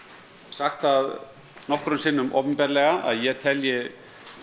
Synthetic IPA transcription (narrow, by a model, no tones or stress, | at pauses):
saxt̪θað | nɔhkɾʏmsɪːnʏmʔɔ̰ːwpʏmpɛːɾlɛɣaʔa̰ðjɛt̪ʰɛljɪ